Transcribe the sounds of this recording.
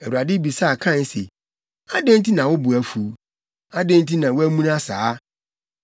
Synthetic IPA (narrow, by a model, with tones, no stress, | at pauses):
æ˨wu˨a˨dɪ˦bi˨sa˦˨kʰã˦˨n˦sḛ˨ | a˦dẽ˦n˦tʰi˦nã˨wʊ˦bʊ˨æ˨fu˨˦ | a˦dẽ˦n˦t̬ʰi˦nã˨wʊ˦æ˦mũ˦n˦a˦saː˨˦